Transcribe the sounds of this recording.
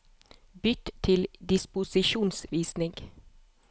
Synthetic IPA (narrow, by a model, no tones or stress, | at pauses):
bʏt̪t̪ʰɪld̪ɪspʊsɪʃuːnsʋiːsnɪŋɡ̥